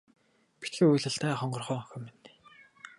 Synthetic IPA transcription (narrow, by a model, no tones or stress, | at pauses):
pit̪xɘ̆ujɮə̆ɬt̪æːχɔɴɢɞ̆rχœːɔŋxʲɞ̆men